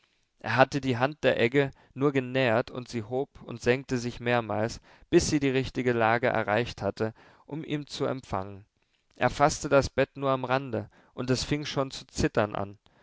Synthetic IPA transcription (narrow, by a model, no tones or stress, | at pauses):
ʔḛːɐɦatədiːɦant̚d̥eːɐʔɛɡə | nuːɐɡənɛːɐtʰʊ̰ntz̥iːhoːpʊ̰ntz̥ɛŋk̚təzɪçmeːɐmaːls | b̥ɪsz̥iːdiːʁ̞ɪçtɪɡəlaːɡəʔɛ̰ɐʁaɪçthatə | ʔʊmʔḭːmt͡suɛ̰mfa̰ŋən | ʔḛːɐfastədasb̥ɛtnuːɐamʁandə | ʔʊntɛsfɪŋʃoːnt͡sut͡sɪtɐnʔa̰n